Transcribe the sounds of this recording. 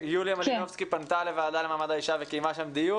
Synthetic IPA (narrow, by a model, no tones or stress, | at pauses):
juljamad̪inofskipant̪alevaːd̪alemamad̪aiʃavekejmaʃemd̪iju